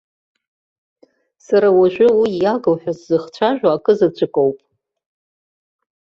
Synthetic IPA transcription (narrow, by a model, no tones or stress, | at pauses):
saɾawaʒᶣʷʊwijaɡɨlħʷᶣazzɨχt͡ɕʷʰaʒᶣʷaːkʼɨzɨt͡ɕʷʰʼɨkʼowpʼ